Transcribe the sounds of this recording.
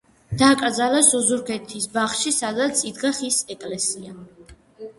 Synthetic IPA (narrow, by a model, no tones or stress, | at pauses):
d̪̥aːkʼɾd̪zalasɔzuɾkʰɛt̪ʰisbaχʃisad̪at̪sʰʼid̪ɡaχisɛkʼlɛsia